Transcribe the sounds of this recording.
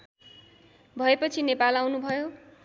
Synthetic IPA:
bʱʌepʌt͡sʰinepalawnubʱʌjo

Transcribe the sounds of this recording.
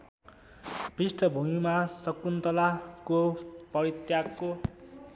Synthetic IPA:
b̥isʈʰʌbʱumimasʌkunt̪ʌlakopʌɾit̪jakːo

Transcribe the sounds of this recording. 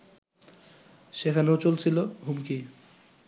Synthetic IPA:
ʃekʰaneot͡ɕolt͡ɕʰiloɦumki

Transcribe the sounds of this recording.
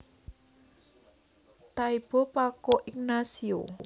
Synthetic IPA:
t̪aib̥ɔ̤pakoʔiknasio

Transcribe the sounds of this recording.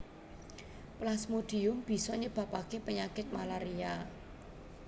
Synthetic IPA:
plasmod̪̥i̤ʊmb̥i̤sɔɲəb̥ä̤pakepəɲakɪt̪̚malaɾia

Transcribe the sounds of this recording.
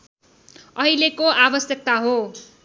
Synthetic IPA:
ʌɦilekoʔabʌsjʌk̚t̪aɦo

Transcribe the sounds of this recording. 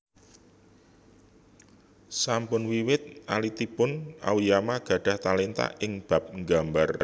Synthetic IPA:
sampʊnwiwɪt̪̚alit̪ipʊna̰wujamaɡ̥ä̤ɖ̥a̤ht̪alent̪a̰ʔɪŋb̥a̤p̚ŋɡambar

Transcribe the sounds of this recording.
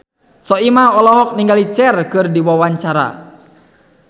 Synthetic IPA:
sɔimaɔlɔɦɔk̚niŋɡalit͡ʃɛrkɨrdiwawaɲt͡ʃaɾa̰

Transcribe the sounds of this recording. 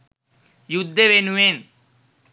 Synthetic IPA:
jud̪ʱːeʋenuʋen

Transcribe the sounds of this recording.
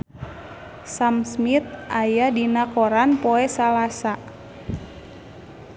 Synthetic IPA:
samsmit̪̚ʔajadinakoɾanpɔɛsalasa

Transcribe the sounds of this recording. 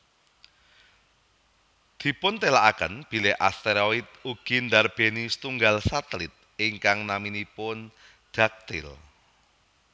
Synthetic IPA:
d̪̥i̤pʊnt̪elaʔakə̰nb̥i̤leʔast̪eɾoɪt̪̚uɡ̥ind̪arb̥e̤nist̪uŋɡalsat̪əlɪt̪̚ɪŋkaŋnaminipʊn | d̪̥ak̚t̪ɪ̰l

